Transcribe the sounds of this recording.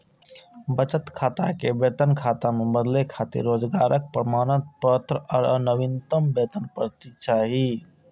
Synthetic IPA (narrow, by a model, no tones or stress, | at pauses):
bət͡ʃət̪kʰaːt̪akebeːt̪ənkʰaːt̪amebəd̪lekʰaːt̪ḭɾːoːd͡ʒɡaːɾʔək̚pɾəmaːnət̪̚pət̪ɾəɔːɾə̰nəʋint̪əmbeːt̪ənpəɾt̪it͡ʃaːɦi